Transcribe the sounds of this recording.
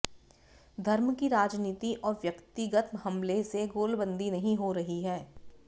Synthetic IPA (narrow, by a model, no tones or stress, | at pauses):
d̪ʱɐɾmkiɾaːd͡ʒniːt̪iʔɔːɾʋjɐkt̪ɪɡət̪hɐmleseɡoːlbə̃nd̪ʱinɐɦĩɦoɾɐɦiɦɛː